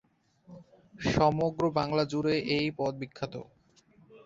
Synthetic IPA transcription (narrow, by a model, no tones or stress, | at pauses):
ʃɔmoɡɾobaŋlad͡ʑuɾeʔejpɔd̪̚bikʰːat̪o̰